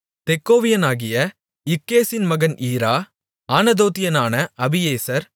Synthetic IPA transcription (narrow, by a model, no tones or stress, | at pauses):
t̪ɛkːoːʋɪjɐnaːɣɪjɐ | ɪkːeːsɪnmɐɣɐniːɾaː | aːnɐd̪oːt̪ɪjɐnaːnɐʔɐbɪjeːsɐɾ